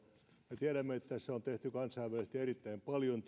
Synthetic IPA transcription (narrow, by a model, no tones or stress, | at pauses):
met̪iæɾæmːeet̪ːæseont̪eht̪ykɑnsɑiʋʋælist̪ierit̪ːæimpɑljont̪